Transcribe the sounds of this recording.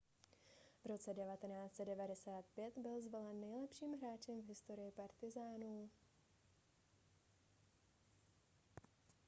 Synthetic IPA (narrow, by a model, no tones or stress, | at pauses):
vɾo̞t͡sɛdɛvat̪ɛnaːt͡st͡sɛdɛvadɛsaːt̪pjɛt̪bɪlzvolɛnːɛjlɛpʃiːmɦɾaːt͡ʃɛmvɦɪst̪o̞ɾɪjɪpaɾt̪ɪzaːnu